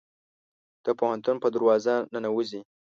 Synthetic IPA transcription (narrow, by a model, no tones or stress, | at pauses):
d̪̥əpohant̪unpəd̪aɾwɑzanənawuzi